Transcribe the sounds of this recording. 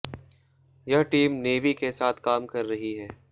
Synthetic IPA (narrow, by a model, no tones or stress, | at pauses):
jɐɦʈiːmneːʋikesaːt̪ʰkaːmkɐɾːɐɦiɦɛː